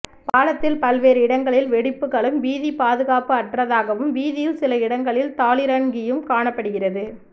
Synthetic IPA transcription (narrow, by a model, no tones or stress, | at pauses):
paːlɐt̪ːɪlpɐlʋeːɾɯɪɽɐŋɡɐɭɪlʋɛɽɪpːɯɣɐɭɯmʋiːðipaːðɯɣaːpɯɐʈrɐðaːɣɐʋɯmʋiːðɪjɪlsɪlɐɪɽɐŋɡɐɭɪlt̪aːɭɪɾɐŋɡɪjɯmkaːɳɐpːɐɽɯɣɪrɐðɯ